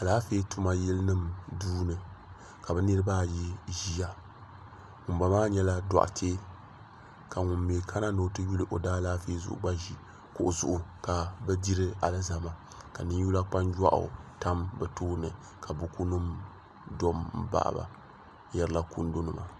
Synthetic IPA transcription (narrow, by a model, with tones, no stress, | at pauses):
ka˨laː˦feː˦tu˦ma˦jɛ˦lnɨ˦mduː˦nɨ˨ | ka˨bɛ˦nɨ˦ɾɨ˦ba˦ji˦ʒi˦ja˦ | ŋʊ˨mba˨maː˦ɲɛ˦la˦da̰˨ʔtʰeː˦ | ka˨ŋʊ˨mːe˨kʰa˦na˦no˨˦tɨ˦ju˦lɨ˦˨ʔo˨daː˦laː˦feː˦zʊ̰˨ʔʊ̰˨ɡ͡ba˦ʒi˨ | kʊ˨ʔʊ˨zʊ̰˨ʔʊ˨ka˨bɛ˦di˦ɾɨ˦a˨lɨ˦za˨ma˨ | ka˨nɨ˦ɲ˦u˦la˦k͡pa˦nd͡ʒa̰˦ʔʊ̰˨ta˦mbɛ˨toː˦nɨ˨ | kʰa˨bu˦ku˦nɨ˦m | do˦m̩˦ba̰˨ʔba̰˨ | jɛ˦ɾɨ˦la˦kṵ˦n˦do˦nɨ˨ma̰˨